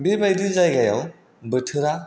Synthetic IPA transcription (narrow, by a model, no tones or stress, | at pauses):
bibajdizajɡaja̰w | bɯtʰɯɾa